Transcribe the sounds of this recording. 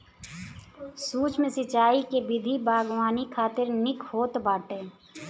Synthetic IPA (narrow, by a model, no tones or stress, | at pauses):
suːt͡ʃmẽsɪt͡ʃaːikebɪd̪ʱibaːɡwaːnikʰaːt̪ɪɾnɪkhoːt̪baːʈeː